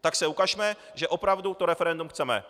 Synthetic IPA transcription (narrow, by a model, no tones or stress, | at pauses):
t̪aksɛukaʃmɛ | ʒɛʔo̞pɾavdut̪oɾɛfɛɾɛndumxt͡sɛmɛ̰